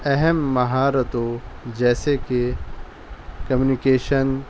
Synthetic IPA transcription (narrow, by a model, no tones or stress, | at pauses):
ɛɦɛmːɐɦaːɾət̪od͡ʒɛːseke | kɐmjunikeːʃən